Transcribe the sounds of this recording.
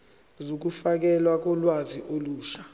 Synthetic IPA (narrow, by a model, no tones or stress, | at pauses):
zok̬ufak̬ɛlwak̬ɔlwaziʔoluːʃḁ